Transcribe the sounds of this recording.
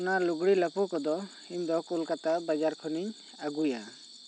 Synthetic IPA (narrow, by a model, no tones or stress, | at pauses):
naluɡɽilapɔkɔd̪ɔ | iɲd̪ɔkulkat̪abad͡ʒaɾkʰɔniɲ | aɡuja